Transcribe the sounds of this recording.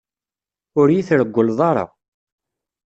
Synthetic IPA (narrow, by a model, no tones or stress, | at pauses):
ʊɾjiθɾəɡʷːəlðˤɑɾˤɑ̰